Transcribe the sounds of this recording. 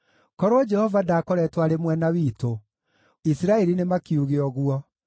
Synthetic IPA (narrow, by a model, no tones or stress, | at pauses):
kɔɾoːd͡ʒɛhɔvadaːkɔɾɛtwaɾemwɛnawiːto | isiɾaɛɾinemakiuɣeɔɣwɔ